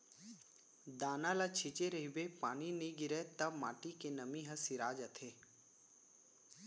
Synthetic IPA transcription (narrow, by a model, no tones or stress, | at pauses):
d̪aːnalat͡ʃʰɪt͡ʃeɾəɦibepaːniniɡɪɾet̪əma̰ːʈikenəmiɦəsɪɾaːd͡ʒət̪ʰeː